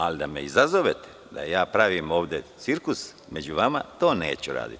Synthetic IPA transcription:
alid̪ameizazoʋet̪e̥ | d̪a̰jaːpɾaʋiːmo̞ːʋd̪et̪siɾkus | me̞d͡ʑuʋama̰t̪o̞ːne̞̰ːt͡ɕuɾa̰ːd̪ḭt̪

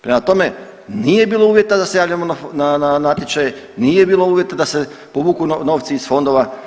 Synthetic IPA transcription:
pɾemat̪o̞me̞ | nije̞biːlˠo̞uːʋje̞t̪ad̪ase̞jaːʋlʎamonanananat̪ʲjet͡ʃaje | nijebiːlo̞uːʋje̞t̪ad̪ase̞ | poʋuːkunno̞ːʋt̪siisfo̞nd̪o̞ʋa

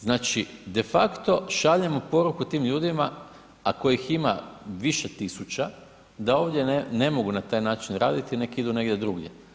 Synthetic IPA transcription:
znaːt͡ʃid̪e̞fakt̪o̞ʃaʎemopo̞ɾukut̪iːmʎuːd̪ima | akojiximaʋiʃet̪isut͡ʃa | d̪ao̞ːʋd̪ʲje̞ne̞mo̞ɡunat̪aːjnaːt͡ʃinɾaːd̪it̪ine̞kid̪une̞ɡdʲje̞d̪ɾuɡjḛ

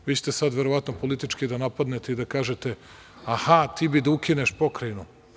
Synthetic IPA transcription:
ʋit͡ɕe̥t̪esad̪ʋeɾo̞ʋat̪nopo̞lit̪it͡ʃkid̪anapad̪net̪e̞id̪akaːʒe̞t̪e̞ | ahat̪iːbid̪aukineʃpo̞kɾajnu

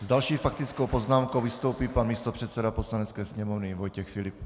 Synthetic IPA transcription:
zdalʃiːfakt̪ɪt͡skowpo̞znaːmkowvɪst̪owpiːpanmiːst̪o̞pr̝̥ɛt̪sɛdapo̞slanɛt͡skɛːsɲɛmovnɪvo̞jcɛxfɪlɪp

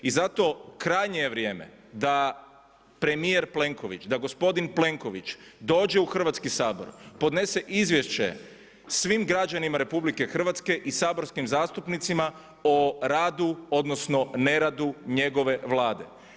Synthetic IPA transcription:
izat̪o̞kɾajɲejeʋɾje̞ːme̞̰ | d̪a | pɾe̞mije̞ɾple̞ŋko̞ʋḭt͡ʃd̪aɡo̞spo̞d̪inple̞ŋko̞ʋit͡ʃd̪o̞ːd͡ʑe̞uxr̩ʋat̪skisaːbo̞̰ɾpo̞d̪ne̞seʔizʋje̞ʃt͡ɕe̞̰ | sʋimɡɾad͡ʒanimaɾe̞publike̞xr̩ʋat̪ske̞ʔisaːbo̞ɾskimzaːst̪upnit̪sima | oɾaːd̪uo̞d̪nosno̞ne̞ɾad̪uɲe̞ɡo̞ʋe̞ʋlˠaːd̪e̞̰

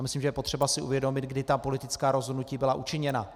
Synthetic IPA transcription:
mɪslimʒɛjɛpo̞t̪r̥ɛbasɪʔṵvjɛdo̞mɪt̪ɡdɪt̪apo̞lɪt̪ɪt͡skaːɾo̞zɦodnuciːbɪlaʔut͡ʃɪɲɛna

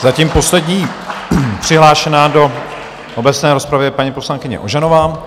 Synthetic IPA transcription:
zacimpo̞slɛdɲiː | pr̥ɪɦlaːʃɛnaːdo̞ | ʔobɛt͡snɛːɾo̞spɾavɪpaɲipo̞slaŋkɪɲɛ̰ʔoʒanovaːm

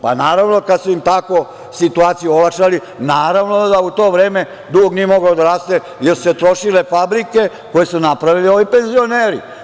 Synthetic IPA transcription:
pa̰naːɾaʋno̞kad̪suimt̪ako̞ | sit̪uaːt̪sijuolakʃali | naːɾaʋnod̪aut̪o̞ːʋɾeːme̞ | d̪uɡoɡniemo̞ɡaod̪aɾaːst̪e | jeɾsu̥set̪ɾo̞ʃile̞fabɾike̞ | ko̞jesunapɾaʋilioʋipe̞nzio̞neːɾḭ

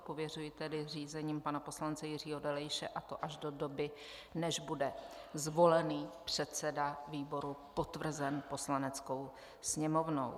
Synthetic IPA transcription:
povjɛr̝ujɪt̪ɛdɪriːzɛɲiːmpanapo̞slant͡sɛjɪr̝iːɦo̞dɛlɛjʃɛ̰ʔat̪o̞ʔaʒdo̞do̞bɪ | nɛʒbudɛ | zvo̞lɛniːpr̝̥ɛt̪t͡sɛdaviːbo̞ɾupo̞t̪vr̩zɛnpo̞slanɛt͡sko̞w | sɲɛmo̞vno̰w

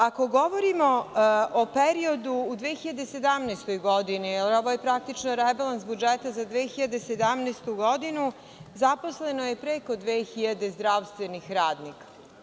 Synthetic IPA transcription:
ako̞ɡo̞ʋo̞ɾimo̞opeɾio̞d̪uːd̪ʋexiʎad̪ese̞d̪amnest̪o̞jɡod̪inielo̞ʋojepɾak̚t̪it͡ʃnoɾebalˠansbud͡ʒet̪azad̪ʋeːxiʎad̪esed̪amneːst̪uɡo̞d̪inu | zapo̞sle̞noje̞pɾeko̞d̪ʋeːxiʎad̪e̞zd̪ɾaːʋst̪ʋenixɾaːd̪nikḁ

